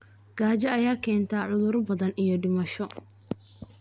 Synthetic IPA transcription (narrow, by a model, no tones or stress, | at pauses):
ɡ̥aːt͡ʃɐɐjaːkʰɛːnt̪ʰaʕʊðʊɾbɐðɐnijɞɖɪmɐʃɔ